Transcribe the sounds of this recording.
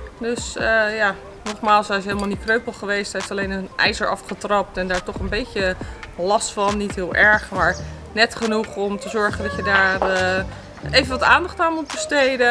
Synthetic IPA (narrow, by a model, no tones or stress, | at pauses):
døsəjaː | nɔχmaːlˠsɛjsejləmalˠnikrøɥpəl̩ˠχəʋejsteftɑlejnənʔɛ̰jzəɹʔɑ̰fχətrɑp̚tɛndaːɹtɔχənbejtəlɑstfɑnːitɦɪːlˠʔɛɹχmaːɹ | nɛtχənuχɔmtəzɔɹχəndɑtjədaːrə | ejvənʋɑtaːndɑχtaːnut̚bəstejdə